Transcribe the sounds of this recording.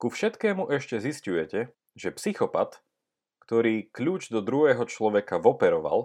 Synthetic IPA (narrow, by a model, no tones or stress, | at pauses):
kufʃɛt̪kɛːmuʔɛʃcɛziscujɛcɛ | ʒ̥ɛpsixɔpa̰t̪ | kt̪ɔɾiːkʎuːd͡ʒd̪ɔd̪ɾuɦɛːɦɔt͡ʃlɔʋɛkavɔpɛɾɔʋa̰l